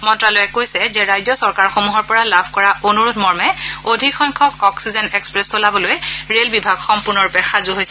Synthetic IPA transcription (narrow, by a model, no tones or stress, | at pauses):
mɔntɹalojɛkojsɛzɛɹajzɔsɔɹkaɹxomuɦɔɹpɔɹalabʱkɔɹaʔonuɹutʰmɔɹmɛodʱikxɔjŋkʰɔkɔksizɛnɛkspɹɛstolabɔlojɛɹelbibʱaɡxɔmpʊɹnɔɹpɛxazuɦojsɛ